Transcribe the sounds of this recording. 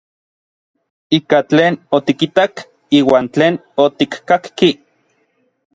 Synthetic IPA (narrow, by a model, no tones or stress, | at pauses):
ikat͡ɬeːnot̪ikit̪ak | iːwaːnt͡ɬeːnot̪ikkakki